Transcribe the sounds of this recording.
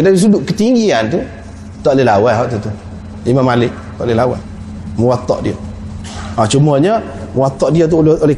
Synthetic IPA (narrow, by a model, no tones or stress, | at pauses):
kədadis̬uduʔkət̪iŋɡiant̪u | t̪ɔʔlelawajɦɔʔt̪ut̪u | limamalɪʔ | t̪ɔʔlelawa̰ | məwat̪ːɔ̰ʔdia̰ | at͡ʃuməɲə | məwat̪ːɔʔdiat̪̬ulolɛ